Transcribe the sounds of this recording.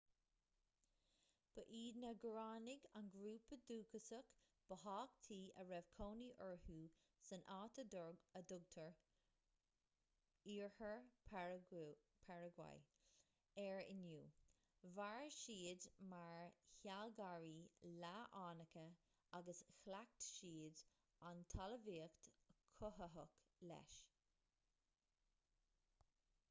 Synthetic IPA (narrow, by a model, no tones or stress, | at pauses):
b̥əʔiːd̪nəɡɹaːnɪɡanɡɾuːpəd̪uːkəsək | b̥əɦɑːkt̪ʰiːəɹɛvkʰoːniʔəɹhuː | sənʔaːt̪ʰədɔɹəd̪ʊɡ̚t̪ʰəɹ | iːɹhəɹ | pʰɛɹəɡwa̰j | ɛɹɪ̰njuː | vaɹʃiːdmaɹçalɡaɹiːlaʔaːnəkə | aɡəsxlak̚t̪ʃiːd | ant̪ʰaləviːəkt̪kʰːʊɦəɦəklɛ̰ʃ